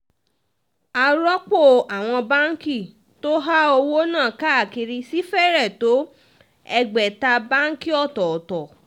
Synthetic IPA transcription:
a˧ɾɔ˦k͡po˦˨a˨w̃ɔ̃˧ba˦ŋ̩˦ki˦˨ | to˦ɦa˦o˧wo˦nãː˦˨ka˦a˨ki˧ɾi˧si˦fɛ˦ɾɛ˦˨to˨˦ | ɛ˧ɡ͡bɛ˨ta˧ba˦ŋ̩˦ki˦ɔ˦˨tɔ˨tɔ˨

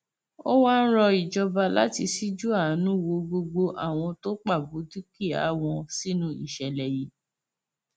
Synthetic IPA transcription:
o˦waː˦n̩˦ɾɔ˧i˨d͡ʒɔ˧ba˧la̰˦ti˧si˦d͡ʒu˦a˦˨˦nũ˦wo˧ɡo˧ɡ͡bo˧ʔa̰˦˨w̃ɔ̃˧to˦k͡pa˦˨bu˨˦di˦ki˦˨a̰˨˦w̃ɔ̃˧si˦nũ˦i˦˨ʃɛ˨lɛ˨ji˨˦

